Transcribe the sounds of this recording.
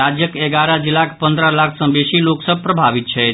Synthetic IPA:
ad͡ʒjəkeɡaɾad͡ʒilakʰpə̃nd̪ɾəlakʰsə̃mbeʃiloksəb̚ʱpɾəbʱaʋit̪̚t͡ʃʰe

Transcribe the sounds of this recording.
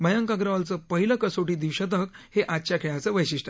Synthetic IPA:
məjəŋkaɡɾaʋalt͡səpəɦiləkəsoʈiːd̪iʋɕət̪ək | heʔat̪ːɕakʰeɭat͡səʋəjɕiʂʈə̥

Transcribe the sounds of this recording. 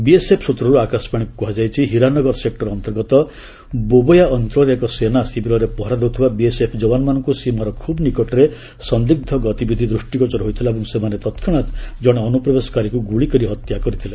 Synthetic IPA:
biesepʰsut̪ɾɔɾuakasɔ̥paɽ̃ikukuɦad͡ʒajt͡ʃʰiɦiɾanɔɡɔɾsek̚ʈɔɾɔnt̪ɔɾɡɔt̪ɔ | bobɔjaɔnt̪ɾɔɾekɔsenasibʱiɾɔɾepɔɦɔɾad̪ewut̪ʰibabiesepʰd͡ʒɔbanmanɔŋkusimaɾɔkʰubnikɔʈɔɾe | sɔnd̪iɡ̚d̪ʱɔɡɔt̪ibid̪ʱid̪ɾusʈikɔt͡ʃɔɾɦojt̪ʰilabɔŋsemanet̪ɔt̪kʰiɽ̃at̪d͡ʒɔɽ̃ɔːnupɾɔbesɔ̥kaɾikuɡuɭikɔɾiɦɔt̪jakɔɾit̪ʰila

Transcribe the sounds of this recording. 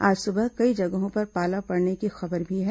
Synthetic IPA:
aːd͡ʒsʊbəɦkɐid͡ʒɐɡɦõpɐɾpaːlapɐɽnekixɐbəɾbʱiɦɛː

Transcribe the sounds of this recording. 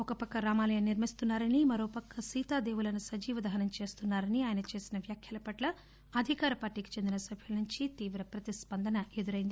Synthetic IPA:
ɔkɐpɐkːɐɾaːmaːlɐjɐniɾmist̪unːaːɾɐnimɐɾoːpɐkːɐsiːt̪aːd̪e̞ːʋulɐnusɐd͡ʒiːʋɐd̪ɐɦɐnɐmt͡ʃe̞ːst̪unːaːɾɐniaːjɐnɐt͡ʃe̞ːsinɐʋjaːkʰjɐlɐpɐʈlɐ | ɐd̪ʱikaːɾɐpaːɾʈiːki̥t͡ʃe̞nd̪inɐsɐbʱjulɐnuɲt͡ʃit̪iːʋɾɐpɾɐt̪ispɐnd̪ɐnɐʔe̞d̪uɾɐjind̪i

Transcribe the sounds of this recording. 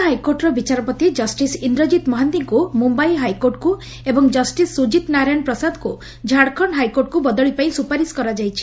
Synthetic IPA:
ɦajkoɾʈɾɔbit͡ʃaɾɔpɔt̪id͡ʒɔsʈisind̪ɾɔd͡ʒit̪mɔɦant̪iŋkumumbajɦajkoɾʈku | ebɔŋd͡ʒɔsʈisːud͡ʒit̪naɾajñpɾɔsad̪ʱɔku | d͡ʒʱaɽkʰɔɳɦajkoɾʈkubɔd̪ɔɭipaĩsupaɾiskɔɾad͡ʒajt͡ʃʰi̥

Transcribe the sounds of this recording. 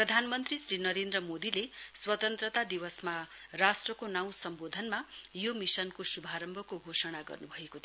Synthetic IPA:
prʌd̪ʱanmʌnt̪risrinʌɾend̪rʌmod̪ileswʌt̪ʌnt̪rʌt̪ad̪iwʌsmarasʈrʌkonaw̃sʌmbod̪ʱʌnmajomisʌnkosubʱaɾʌmbʱʌkoɡʱosʌɽ̃aɡʌ̰rnubʱʌekot̪ʰ

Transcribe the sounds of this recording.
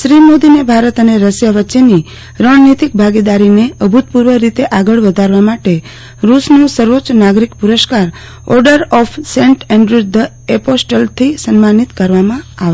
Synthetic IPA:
ʃɾimod̪inebʱaɾət̪əneɾəsjaʋəːʃeni | ɾəɳnit̪ik̚bʱaɡid̪aɾineəbʱut̪̚puɾʋəɾit̪eʔaɡəɭʋəd̪ʱaɾʋamaʈe | ɾusnosəɾʋot͡ʃnaɡɾikpuɾəskaɾ | ɔ̰ɾɖəɾɔfʰsẽɳʈɛ̃ɳɖɾud̪ə | eposʈəlt̪ʰisənmanit̪kəɾʋamãaʋ

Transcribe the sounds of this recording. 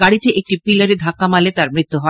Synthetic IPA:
ɡaɽiʈiʔek̚ʈipilaɾed̪ʱakːamalet̪aɾmɾit̪ːuɦɔ

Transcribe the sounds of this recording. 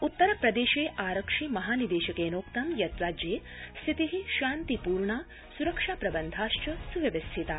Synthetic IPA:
ut̪ːɐɾɐpɾɐd̪eːʃeːʔaːɾɐkʂiːmɐɦaːnid̪eːʃɐkeːnoːkt̪ɐmjɐt̪ɾaːd͡ʒjeː | sʰit̪iɦiʃaːnt̪ipuːɾɳaː | suɾɐkʂaːpɾɐbɐnd̪ʱaːʃt͡ʃɐsuʋɐʋɐst̪ʰit̪aː

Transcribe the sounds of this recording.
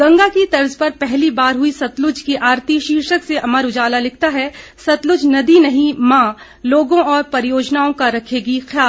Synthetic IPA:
ɡɐ̃ŋɡakit̪ɐɾzpɐɾpɛɦlibaːɾɦʊisɐt̪lʊd͡ʒkiʔaːɾt̪iʃiːɾʃəkseʔɐməɾʊd͡ʒaːlalɪk̚ʰt̪aɦɛsɐt̪lʊd͡ʒnɐd̪inɐɦĩmãː | loːɡõɔːɾpɐɾɪjoːd͡ʒnaːõkaɾɐkʰeːɡixjaːl

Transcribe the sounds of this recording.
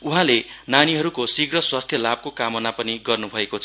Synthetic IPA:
uɦãlenaniɦʌɾukosiɡrʌswast̪ʰjʌlab̚kokamʌnapʌniɡʌrnubʱʌekot͡sʰʌ

